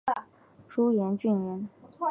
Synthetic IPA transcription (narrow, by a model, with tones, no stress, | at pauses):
ʈ͡ʂu˥jɛ˧˥nt͡ɕy˥˩nɥɛ˧˥n